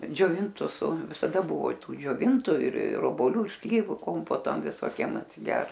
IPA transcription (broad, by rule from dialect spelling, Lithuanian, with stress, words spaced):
d͡ʒʲoːˈʋʲɪntʊs sʊ ʋʲɪsɐˈdɐ ˈbʊʋoː ˈtuː d͡ʒʲoːˈʋʲɪntʊ ɪr ɪr oːboːˈlʲʊ ɪr ˈsʲlʲiːʋʊ ˈkoːmpoːtoː ʋʲɪsoːˈkʲiɛm ɐtʲsʲɪˈɡʲɛrt